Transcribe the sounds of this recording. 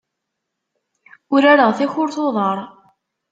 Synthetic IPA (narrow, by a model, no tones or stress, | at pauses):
ʊɾaɾəʁθæçʊɾθoðˤɑɾˤ